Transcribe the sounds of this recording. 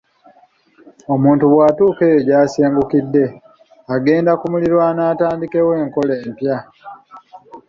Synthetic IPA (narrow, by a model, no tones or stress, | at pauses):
o̞muːntuβwaːtuːke̞ɟaːseːŋɡukidːe̞ | aɡe̞ːndakumuliɾwanaːtaːndike̞we̞ːŋko̞leːmpja